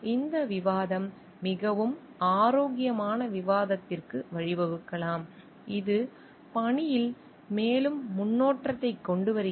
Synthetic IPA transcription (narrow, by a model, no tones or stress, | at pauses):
ɪnd̪ɐʋɪʋaːðɐmː | ɪɣɐʋɯm | aːɾoːɣɪjɐmaːnɐʋɪʋaːðɐt̪ːɪrkɯʋɐɻɪʋɐʋɯkːɐɭaːm | ɪðɯ | pɐɳɪjɪl | meːlɯmːʊnːoːʈrɐt̪ːɐɪkːɔɳɖɯʋɐɾɯ